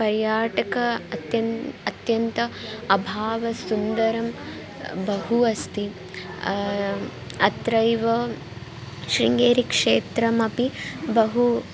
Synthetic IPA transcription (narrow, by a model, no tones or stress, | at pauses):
pɐɾjaːʈɐkɐt̪jɐnːt̪jɐnt̪ɐɐbʱaːʋɐsund̪ɐɾɐm | bɐɦuɐst̪i | ɐt̪ɾɐjʋɐ | ʃɾiŋɡeːɾikʂeːt̪ɾɐmɐpibɐɦu